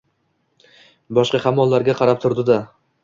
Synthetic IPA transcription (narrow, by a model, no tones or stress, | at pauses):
bɒʃqɑhamːɒlˠːaɾɡʲaqʰɑɾap̚t̪ʰʊɾd̪ɪd̪a